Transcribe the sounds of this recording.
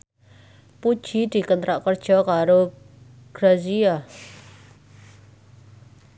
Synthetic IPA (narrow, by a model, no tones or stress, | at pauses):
pud̥ʒ̥i̤d̪̥i̤kənt̪ɾaʔkərd̥ʒ̥ɔ̤kaɾo | ɡ̥ɾazia